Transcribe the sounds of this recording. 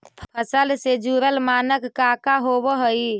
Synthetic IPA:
pʰpʰəsəlsed͡ʒuɾəlmanəkːakaɦobəɦəj

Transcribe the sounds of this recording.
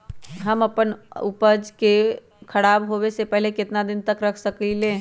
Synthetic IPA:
ɦəmɐpənʊpəd͡ʒke | kʰɐɽaːbɦoːwesepɛɦlekɪt̪nad̪ɪnt̪əkɾɐkʰsəkilẽː

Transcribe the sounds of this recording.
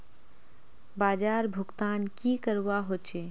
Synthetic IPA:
baːd͡ʒaːɾbʱʊɡt̪aːnkikəɾuwaɦot͡ʃe

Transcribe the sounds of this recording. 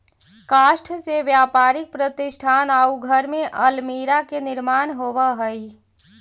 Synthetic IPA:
kaːʃʈʰseʋjaːpaːɾɪk̚pɾət̪ɪʃʈʰaːnaːuɡʱəɾmẽʔəlmiɾakenɪɾmaːnɦoːʋəɦəi

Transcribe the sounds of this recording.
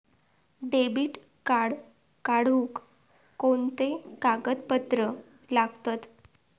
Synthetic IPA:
ɖebiːʈ | kaɽ | kaɽ̤uk | kont̪ekaɡət̪pət̪ɾə | laɡt̪at̪

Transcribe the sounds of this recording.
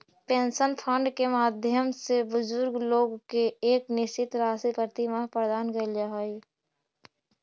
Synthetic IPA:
pẽːnʃənpʰə̃ɳɖkemaːd̪ʱjəmsebʊzʊɾɡloːɡkeeːknɪʃt͡ʃɪt̪ɾaːsipəɾt̪imapəɾd̪aːnɡəld͡ʒaɦoːi

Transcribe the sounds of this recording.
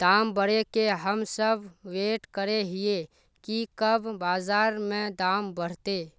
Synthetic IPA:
d̪̥aːmbəɽekeɦəmsəbʱweːʈkəɾeɦɪe | kikəbʱbaːzaːɾmẽd̪aːmbəɽ̤t̪eː

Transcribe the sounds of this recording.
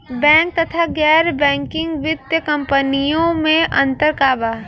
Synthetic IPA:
bɛ̃ːŋk̚t̪ɐt̪ʰaɡɛːɾbɛ̃ːŋkɪ̃ŋɡʋɪt̪jəkɐ̃mpənijõmẽʔɐ̃nt̪əɾkaːbaː

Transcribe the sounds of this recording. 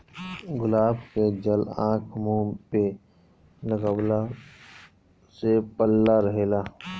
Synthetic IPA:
ɡʊlaːbked͡ʒəlã̰ːkʰmũːmpe | ləɡəwla | sepəlːaɾəɦeːlaː

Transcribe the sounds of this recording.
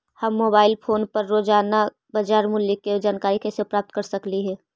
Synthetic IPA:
hɐmːoːbaːɪlpʰoːnpɐɾːoːd͡ʒaːna | bɐd͡ʒaːɾmʊlikːed͡ʒaːnkaːɾikɛsepɾaːp̚t̪kɐɾsɐkliɦɛː

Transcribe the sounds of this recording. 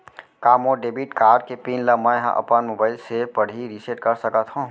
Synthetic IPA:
kaːmoɖeːbiʈkaːɾɖ̚kepiːnləmə̃ɦã̰ʔɐ̰pənmobaːɪlsepəɽ̤iɾiseʈkəɾsəkət̪ɦũ

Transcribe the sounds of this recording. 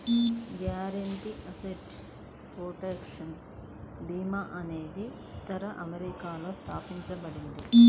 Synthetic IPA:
ɡjaːɾɐɳʈiʔɐseʈ | pɾoːʈeːkʂɐn | biːmaʔɐne̞ːd̪i | t̪ɐɾɐʔɐmeɾikaːlo̞ːst̪ʰaːpiɲt͡ʃɐbɐɽind̪i

